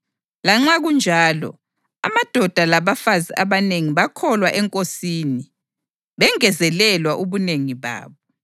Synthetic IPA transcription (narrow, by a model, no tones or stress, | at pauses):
laŋ͡ǁaɣund͡ʒʱaːlɔ̰ | a̰mad̥ʱɔd̥ʱalaβafaziʔaβaneŋiβakʰɔlwaʔɛŋkʼosiːni | βɛŋɛzɛlɛlwaʔuβuneŋiβa̰ːβɔ